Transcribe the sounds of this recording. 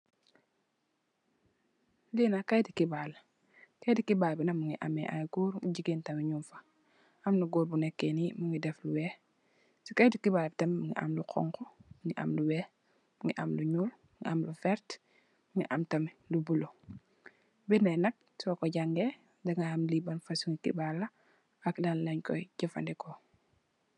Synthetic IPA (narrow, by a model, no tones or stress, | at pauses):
liːnakajdikibal | kajdikibalbinɐmuŋiʔa̰mɛʔa̰jɡuːɾŋiɟiɡintɐmiɲumfḁ | amnuɡuːɾbunɛkːenimuŋidɛfluwɛː | sikajdikibaːlbtɐmmuŋḭa̰mluqʰɔ̰ŋkɔmuŋiʔa̰mluwɛ | muŋiʔamluɲuːlmuŋḭʔamlufɛɾt | muŋḭʔamtɐmilubulo | binanɐk̚sɔkɔɟaŋɡe | dɐŋaamlibanfasuŋikḭbalːɐ | aklanlɐɲkɔ̰jɟɐfa̰ndɛkɔ